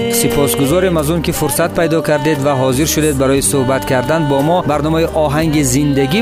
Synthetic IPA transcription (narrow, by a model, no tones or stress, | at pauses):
sipʰɔsɡuzɔɾimazɔŋkifuɾsat̪̚pʰajd̪ɔkʰaɾd̪ed̪vaɦɔziɾʃud̪ed̪̚baɾɔjisuhbat̪kʰaɾd̪anbɔmɔbaɾnɔmaiʔɔɦaŋɡizind̪aɡi